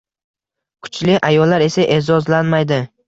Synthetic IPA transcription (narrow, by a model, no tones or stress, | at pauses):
kʰʊ̥t͡ʃlɪʔajɒlːaɾe̞saʔezɒzlanmajd̪ɪ